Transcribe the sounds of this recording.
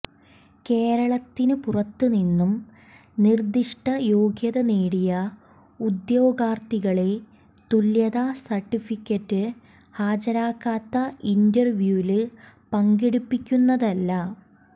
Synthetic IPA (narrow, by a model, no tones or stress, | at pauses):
ke̞ːɾɐɭɐt̪ːinɨpurɐt̪ːɨninːum | nird̪iʂʈɐjo̞ːɡjɐðɐneːɽijɐ | ud̪jo̞ːɡaːrt̪iɣɐɭe | t̪uljɐðasɐrʈːifikʲːɐtːɨ | haːd͡ʑɐɾaːkːaːt̪ːɐindɐrʋjuːlɨ | pɐŋɡiɽupːikʲːunːɐðɐlːɐ